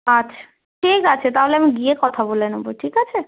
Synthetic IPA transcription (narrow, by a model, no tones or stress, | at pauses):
ətːʃʰḁ | ʈʰikat͡ʃʰet̪aɦuleamĩɡiekɔt̪ʰabolenũboʈʰikat͡ʃʰe